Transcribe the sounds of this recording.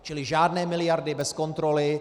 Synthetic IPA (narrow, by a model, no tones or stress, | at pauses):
t͡ʃɪlɪʒaːdnɛːmɪlɪjaɾdɪbɛsko̞nt̪ɾolɪ